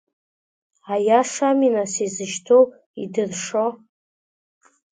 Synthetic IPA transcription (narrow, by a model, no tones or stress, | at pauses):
ajaʂaminasizɨʃtʰow | idɨrʂo